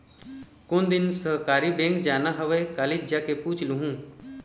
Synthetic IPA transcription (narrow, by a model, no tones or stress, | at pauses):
kond̪ɪnsəɦkaːɾibẽːŋkd͡ʒaːnaɦəʋekaːled͡ʒjakepuːt͡ʃluɦũː